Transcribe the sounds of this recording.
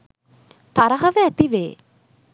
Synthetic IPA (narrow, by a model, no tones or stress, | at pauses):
t̪aɾɐɦɐʋəæt̪iʋḛː